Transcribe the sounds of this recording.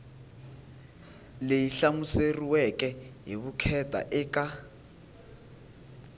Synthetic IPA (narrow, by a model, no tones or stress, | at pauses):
leiɬamuseriwɛkʼɛɦiβukʰɛtʼa̰ʔɪːkʼa